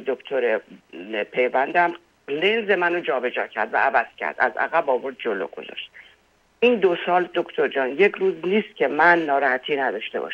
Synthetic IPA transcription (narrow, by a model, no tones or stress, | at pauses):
d̪okt̪ʰoɾe | pʰe̞jvænd̪æm | lenze̞mænod͡ʒɒːbe̞d͡ʒɒːcʰæ̰ɾd̪væ̰ævæz̥cʰæ̰ɾd̪æ̰zæ̰ɣæbɒːvo̞ɾd̪̚d͡ʒolo̰ɡ̥o̞̰zɒ̰ːʃt̪̚ | iːnd̪osɒːld̪okʰt̪ʰoɾd͡ʒɒːnje̞cʰɾuːzniːst̪̚cʰʲe̞mænːɒːɾɒːhæt̪ʰiːnæd̪ɒːʃt̪e̞bɒ̰ʃ